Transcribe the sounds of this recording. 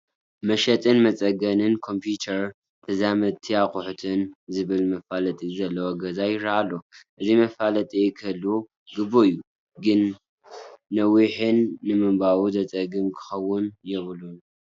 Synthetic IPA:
mɐʃɐt̪ʼɨnmɐt͡sʼɐɡɐnɨnkʰo̞mpʰjut̪ʰɐɾ | t̪ʰɐzamɐt̪ʰiakʼʊħt̪ʰɨnzɨβɨlmɐfalɐt̪ʼizɐlːɐwoɡɐzajɪɾɾaalːoʔɨzimɐfalɐt̪ʼikʰɐlːu | ɡɨboijːu | ɡɨnː | ɐwiħɨnːɨmɨmbawuzɐt͡sʼɐɡɨmkʰɨ̥xɐwʊnjɛβɨlun

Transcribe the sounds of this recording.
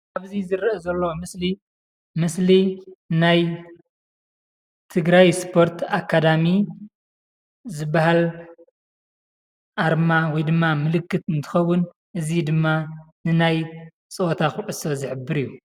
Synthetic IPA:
ʔaβzizɨɾʔezɐlːomɨsli | mɨslinaj | t̪ʰɨɡɾajspʰo̞ɾt̪ʰakʰːad̪ami | zɨbːahal | ʔaɾmawɔjd̪ɨmːamɨlɨkːɨt̪ɨnt̪ʰɨ̥xɐwːʊn | ʔɨzid̪ɨmːanɨnaj | t͡sʼɨot̪ʰaxɨʔʼɨsozɨħɨbːɨɾijːu

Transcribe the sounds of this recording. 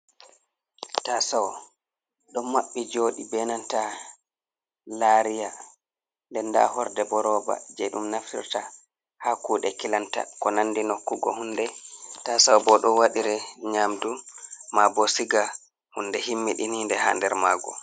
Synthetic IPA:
tasaw | ɗɔmːaɓːid͡ʒoːɗibɛnanta | laɾija | ndɛnda̰hɔɾdɛbɔɾɔːba̰d͡ʒɛɗumnaftḭɾta | hakuːɗɛkilanta̰kɔnanːdinokːuɡɔ̰hunːdɛtasawbɔɗɔwaɗiɾɛɲamdumabɔsiɡa | hundɛhimːiɗinindɛha̰ndɛɾmaːɡɔ̰

